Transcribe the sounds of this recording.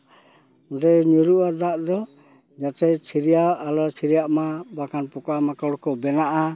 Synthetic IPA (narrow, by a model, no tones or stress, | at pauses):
ɖɛɲuɾuʔad̪aʔd̪ɔ | d͡ʒat͡ʃɛt͡ʃʰiɾijaalɔt͡ʃʰiɾijaʔmabakanpɔkamakɔɽkɔbɛnaʔa